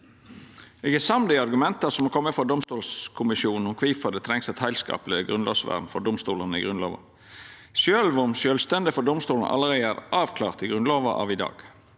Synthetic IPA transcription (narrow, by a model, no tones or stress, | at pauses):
eːɡæsɑmd̪ɪɑɾɡʉmɛnt̪əsɔmɔkʰɔmːəfɾɔd̪ʊmst̪uːlskʰʊmɪʃjuːnn̩ɔkʰʋiːfɑd̪ət̪ʰɾɛŋsɛt̪hæɪlskɑ̰ːpləɡʁʉnlo̰ːsʋæ̰ʁmfɔɖ̪ʊmst̪uːlənɪ̰ɡɾʉnlo̰ːʋɑ̰ | sjøːlʋʊmsjøːlst̪ɛnd̪ɪfɔɖ̪ʊmst̪uːln̩ʔɑ̰lːəʁɛæɾʔɑːʋkʰlɑːʁt̪ɪɡʁʉnloːʋɑʔɑ̰ːʋɪd̪ɑ̰ːɡ̥